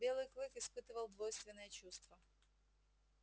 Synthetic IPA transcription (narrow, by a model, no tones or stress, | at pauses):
bʲelˠɨjklˠɨkɪspɨt̪ɨvəlˠd̪vojst̪vʲɪnːəjət͡ɕust̪və